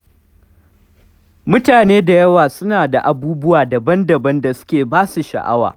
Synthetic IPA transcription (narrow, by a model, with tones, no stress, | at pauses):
mʊ˦taː˨neː˦da˨jɐ˦waː˨sʊ˦naː˨da˨ʔa˨buː˦bʊ˦waː˨dɐ˨bɐ˦ndɐ˨bɐ˦nda˨sʊ̥˦kʲeː˨baː˦su˨ʃɐ̰˨ʔa̰˦wa̰ː˨